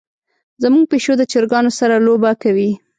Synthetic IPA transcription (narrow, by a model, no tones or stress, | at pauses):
zamuɡ̚peʃod̪ət͡ʃəɾɡɑnosaɾalobakawi